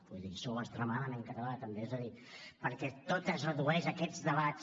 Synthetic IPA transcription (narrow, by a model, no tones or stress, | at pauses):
puðisowəst̪ɾəmaðəmẽŋkət̪əlat̪əmbeɛzəðipəɾkɛt̪ot̪əzrəðuɛʃəkɛd͡zðəβa